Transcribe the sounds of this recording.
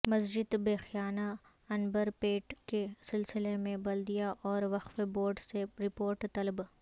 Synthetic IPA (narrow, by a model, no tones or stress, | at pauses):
mɐsd͡ʒɪd̪beːxijaːna | ɐnbəɾpeːʈkesɪlsɪlemẽbɐld̪ijaʔɔːɾʋɐqfeboːɾɖseɾɪpoːɾʈt̪ɐlb